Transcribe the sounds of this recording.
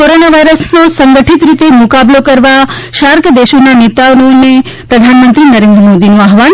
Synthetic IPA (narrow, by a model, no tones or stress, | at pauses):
koɾonaʋajɾəsnosəŋɡəʈʰit̪ɾit̪emʊkablokəɾʋaʃaɾkʰəd̪eʃonanit̪aʋnone | pɾəd̪ʱanmənt̪ɾinəɾẽnd̪ɾəmod̪inũaɦʋan